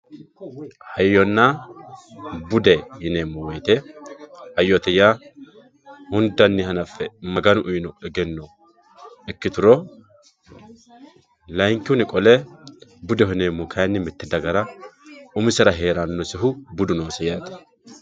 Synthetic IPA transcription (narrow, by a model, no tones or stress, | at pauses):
hɐjːɔnːa | bʊd̪ɛhɪneːmːʊwɔjt̪ɛ | hɐjːɔt̪ɛja | hʊnd̪ɐnːɪɦɐnɐfːɛmɐɡɐnʊʔʊjnɔʔɛɡɛnːɔ | ɛkːɪt̪ʊɾɔ | lɐjŋkːɪʊnɪkʼɔlɛbʊd̪ɛɦɪneːmːʊkʰɐjnːɪmɪt̪ːɛd̪ɐɡɐɾɐʔʊmɪsɛɾɐɦe̞ːɾɐnːɔsɪɦʊbʊd̪ʊnoːsɛjaːt̪ɛ̥